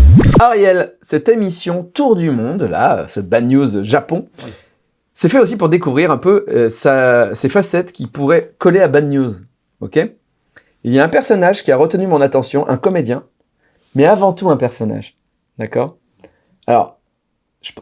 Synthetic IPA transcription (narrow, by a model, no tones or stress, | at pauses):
aʁjɛlsɛt̪emisjɔ̃t̪uʁd̪ymɔ̃d̪la̰ø̰səbanjuzʒapɔ̃ | sɛfɛosipuʁd̪ekuvʁiʁɛ̃pøsasefasɛt̪kʲipuʁɛkɔleabanjuz | o̰kʲe | iljaɛ̃pɛʁsɔnaʒkʲiaʁət̪ənymɔ̃nat̪ɑ̃sjɔ̃ʔɛ̰̃kɔmed̪jɛ̃ | mɛavɑ̃t̪uɛ̃pɛʁsɔna̰ʒ | d̪akɔːʁ | a̰lɔ̰ʁ | ʒə̥